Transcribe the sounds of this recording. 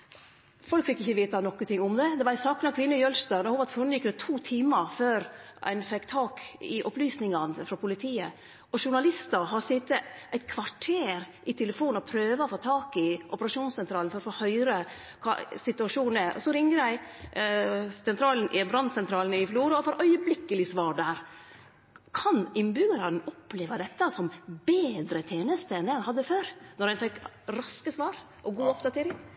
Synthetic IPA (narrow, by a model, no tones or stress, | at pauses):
fɔlkfɪkːɪçːəʋeːt̪ɑnɔkːənt̪ʰɪŋːʊmd̪ɛd̪ɛʋɑɾæsɑːknɑkʰʋɪnːəjœlst̪œnɛhuːʋɑt̪fʊnjɪkːd̪ɛt̪ʰuːt̪ʰiːməɾføːɾæ̰ɪnfɛkːt̪ʰɑːkɪʔɔplyːsnɪŋɑnfɾɑpʰʊlɪt̪ʰiːə | ʔɔʂʊɳɑlɪst̪əɾɦɑɾsɪt̪ːəʔæɪt̪̚kʰʋɑʈʰeːɾʔɪt̪ʰɛləfuːnɔpʰɾøːʋəɔfoːt̪ʰɑːkɪʔɔpəɾɑʂuːnsɛnt̪ʰɾɑːlnfɔɾɔfoːhœʏɾə | kʰɑ̰sɪt̪ʉɑʂuːnəʔɔ̰sɔɾɪŋːəɾæɪ | sɛnt̪ɾɑːln̩ʔɪbɾɑnsɛnt̪ʰɾɑːln̩ɪfluːɾɑɔfoːɾœʏəblɪkːəlɪsʋɑːɾɖæːɾ | kʰɑnɪnbʏɡɑɾɑnɔpːleːʋəd̪ɛt̪ːəsɔmbeːd̪ɾət̪ʰeːnəst̪əɛnd̪ɛhɛnhɑd̪ːəføːɾnɔɾænfɛk | ɾɑskəsʋɑːɾ | ʔɔɡuːɔpd̪ɑt̪ʰeːɾɪŋ